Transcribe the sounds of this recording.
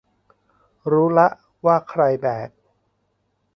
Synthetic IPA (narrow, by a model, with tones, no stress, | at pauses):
ɾuː˦˥la˦˥ʔ | waː˥˩kʰɾa˧jbɛː˨˩t̪̚